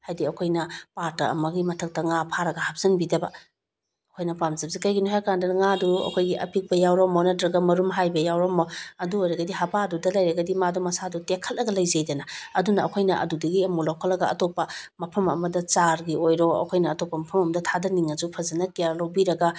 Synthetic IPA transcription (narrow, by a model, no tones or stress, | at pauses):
hajdiɐkʰojnɐpaɾtɐ̰ɐ̰mɐɡimɐtʰɐk̚tɐŋapʰaɾɐɡɐhap̚z̥ɐnbidɐbɐ̰ | ɐkʰojnɐpamzɐb̚zikɐjɡinuɦaɾkandɐnŋaduɐ̰kʰojɡiʔɐ̰pik̚bɐjawɾɔmonɐtɾɐɡɐmɐɾumɦajbɐjawɾɔmɔɐduojɾɐɡɐdiɦabadudɐlɐjɾɐɡɐdimadumɐsadutekʰːɐlːɐɡɐlɐjzɐjdɐnɐɐdunɐɐkʰojnɐʔɐ̰dudɐɡiɐmulawkʰɐlːɐɡɐɐtopːɐmɐpʰɐmɐ̰mɐdɐt͡ʃaɾɡiojɾɔɐ̰kʰojnɐːtopːɐmɐpʰɐmɐmɐdɐtʰadɐniŋɐzupʰɐzɐnɐkijaɾlawbiɾɐɡɐ